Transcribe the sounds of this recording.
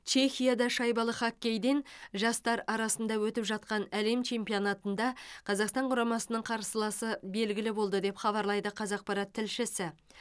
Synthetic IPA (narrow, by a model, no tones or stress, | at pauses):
t͡ʃʰe̞xʲijad̪ɑʃɑjbɑlˠəχɑkʲːe̞jd̪e̞nʒɑst̪ɑɾɑɾɑsənd̪ɑwɵt̪ɪpʒɑt̪̚qɑnæle̞mt͡ʃʰe̞mpio̞nat̪ənd̪ɑqʰɑzɑqst̪ɑɴqʰʊɾɑmɑsənəɴqʰɑɾsəlˠɑsəbe̞lɡʲɪlɪbo̞lˠd̪əd̪e̞pχɑβɑɾlˠɑjd̪əqʰɑzɑq̚pɑɾɑt̪ʰːɪlʃɪsɪ